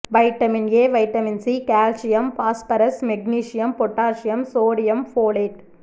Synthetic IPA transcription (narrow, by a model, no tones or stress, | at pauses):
ʋɐɪʈːɐmɪnjeːʋɐɪʈːɐmɪnsikaːlsɪjɐmpaːspɐɾɐsmɛɡ̚niːʂɪjɐmpɔʈːaːʃɪjɐmsoːɽɪjɐmfoːleːʈ